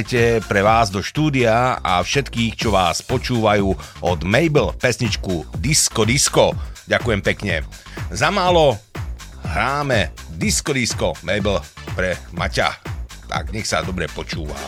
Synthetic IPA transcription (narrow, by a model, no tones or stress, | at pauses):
jcɛpɾɛʋaːzd̪ɔʃt̪uːd̪iaafʃɛt̪kiːxt͡ʃɔʋaːspɔt͡ʃuːʋajuː | ʔɔd̪mɛjbl̩pɛsɲit͡ʃkud̪iskɔd̪iskɔɟakujɛmpɛkɲɛzamaːlɔ | ɦɾaːmɛd̪iskɔd̪iskɔmɛjblpɾɛma̰ca̰t̪a̰ɡɲɛxsa̰d̪ɔbɾɛpɔt͡ʃṵːʋa̰